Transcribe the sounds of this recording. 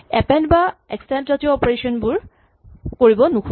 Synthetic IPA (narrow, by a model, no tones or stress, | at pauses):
ɛpɛ̃ndbaɛkstɛ̃ntɹatiɔɔpɔɹesɔnbuɹ | koɹibɔnukʰ